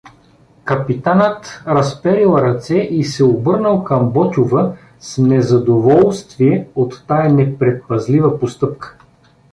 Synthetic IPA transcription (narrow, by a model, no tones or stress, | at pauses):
kɐpit̪anət̪ɾɐspɛɾilˠɾɐt̪sɛʔisɛobɤɾnəlˠkɐmbɔt̪ʲʊvə | snɛzɐd̪ovɔlˠst̪viɛot̪ːajɐnɛpɾɛt̪̚pɐzlivəpost̪ɤpkə̥